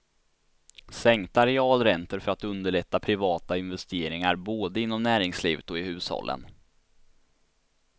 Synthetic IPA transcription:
sɛŋt̪aɾɛɑːlɾɛnt̪əɾfœɾat̪ɵnd̪əɭɛt̪ːapʰɾɪvɑːt̪aɪnvɛst̪eːɾɪŋaɾboːd̪əɪnːɔmnæːɾɪŋsliːvət̪ɔɪhʉ̟ːshɔ̰lːʔə̰n

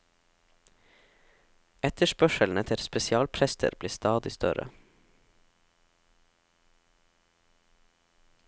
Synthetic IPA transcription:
ɛt̪əʃpœʃəln̩ət̪ʰɪlspɛsɪɑːlpʰɾɛst̪ʰə̰ɾbliːst̪ɑːd̪ɪst̪œ̰ɾə̰

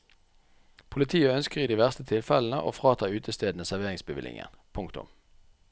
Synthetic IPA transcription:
pʰʊlɪt̪ʰiːəœnskəʁiːd̪iːʋæʁst̪ət̪ʰɪlfɛln̩ə̰ʔo̰ːfʁɑːt̪ʰɑːʉːt̪ʰəst̪eːd̪nəsæʁʋeːʁɪŋsbəʋɪ̰lɪ̰ŋə̰npʰʊŋkt̪ʊ̰m

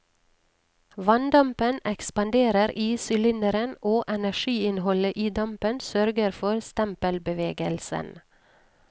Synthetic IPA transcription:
ʋɑnd̪ɑmpənɛkspɑnd̪eːɾəɾʔiːsʏlɪnəɾənʔoːʔɛnæʃiːɪnhɔləʔiːd̪ɑmpənsœɾɡəɾfɔɾst̪ɛmpəlbəʋeːɡəlsə̰n

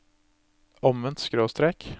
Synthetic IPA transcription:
ɔmʋɛnt̪skɾoːst̪ɾeːk

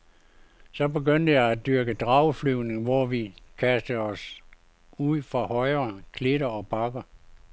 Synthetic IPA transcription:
sɒ̽be̝ɡøn̰d̥əjɑæd̥yɐɡ̥əd̥ʁɑ̈ʊflyʊne̝ŋʋɒʋikʰæsd̥əɒ̽s | uð̰ˠfʁɑ̈hɒ̽ɪɐkʰle̝ɾɐɒ̽b̥ɑ̈ɡ̥ɐ

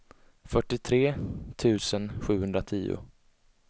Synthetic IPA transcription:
fœʈːɪt̪ʰɾeːt̪ʰʉ̟ːsənɧʉ̟ːhɵnd̪ɾat̪ʰiːʊ̰

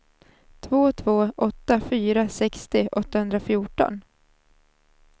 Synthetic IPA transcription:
t̪ʰvoːt̪ʰvoːʔɔt̪ːafyːɾasɛkst̪ɪʔɔt̪ːahɵnd̪ɾafjuːʈɔ̰n

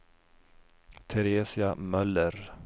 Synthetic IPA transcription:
t̪ʰɛɾeːsɪamœlːəɾ

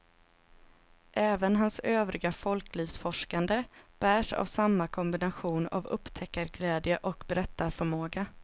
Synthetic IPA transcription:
ʔɛːvənɦansøːvɾɪɡafɔlkliːvsfɔʂkand̪əb̥æːʂa̰vsamːakʰɔmbɪnaɧuːna̰vɵ̰pːt̪ʰɛkːaɾɡlɛːd̪jəʔɔkbɛɾɛt̪ːaɾfœɾmoːɡa

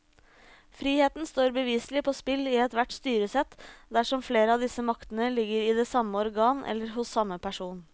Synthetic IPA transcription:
fɾiːheːt̪nst̪oːɾbəʋiːslɪpʰɔːspɪlːɪɛt̪ʋæʈːst̪yːɾəsɛt̪ːd̪æʂɔmfleːɾəɑʋd̪ɪsəmɑkt̪ənəlɪɡːəɾɪd̪ɛːsɑmːəɔɾɡɑːnʔɛ̰lːəɾɦʊsːɑmːəpʰæʂuːn

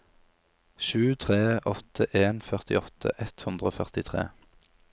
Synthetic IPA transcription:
ʃʉːt̪ʰʁeːʔɔt̪ʰəʔeːnfœʁt̪ɪɔt̪ʰə̰ʔɛt̪hʉnd̪ʁəoːfœʁt̪ɪt̪ʰʁḛː

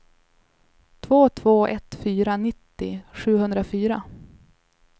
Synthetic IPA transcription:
t̪ʰvoːt̪ʰvoːʔɛt̪fyːɾanɪt̪ːɪɧʉ̟ːhɵnd̪ɾafyːɾa

